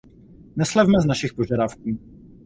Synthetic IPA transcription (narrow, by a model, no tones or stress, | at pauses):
nɛslɛvmɛznaʃɪxpo̞ʒadafkuː